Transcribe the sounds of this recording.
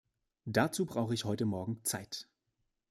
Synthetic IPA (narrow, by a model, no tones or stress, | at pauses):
d̥at͡suːbʁaʊxəɪçhɔʏtəmɔɐɡŋ̩t͡saɪt